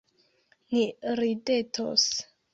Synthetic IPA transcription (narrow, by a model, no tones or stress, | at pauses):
niɾidetʰo̰s